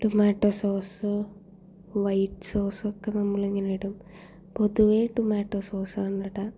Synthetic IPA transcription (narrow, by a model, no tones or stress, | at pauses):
ʈumaːʈːosoːsɨ | ʋɐjʈːso̞ːrsokːenɐmːɐɭeŋːinejiɽum | po̞ðuʋeʈumaːʈːoso̞ːsaːɳːiɽɐ